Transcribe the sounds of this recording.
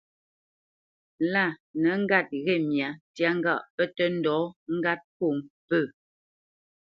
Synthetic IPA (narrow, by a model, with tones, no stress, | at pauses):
la˦˨nə˨˦ŋ̩˦ɡa˦˨t̚ɣɛ˦˨mja˨tja˦ŋ˦ɡa˦˨ʔpə˦tə˦n̩˦dɔː˨˦ŋ̩˦ɡa˦t̚po˦˨ŋpə˦˨